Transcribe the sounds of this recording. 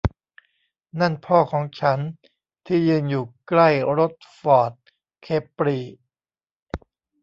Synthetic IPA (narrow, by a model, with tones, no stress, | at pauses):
na˥˩npʰɔː˥˩kʰɔː˩˦ŋt͡ɕʰa˦˥n | t̪ʰiː˥˩jɯː˧njuː˨˩kla˥˩jɾo˦˥t̪̚fɔː˨˩t̪̚ | kʰeː˦˩pːɾiː˨˩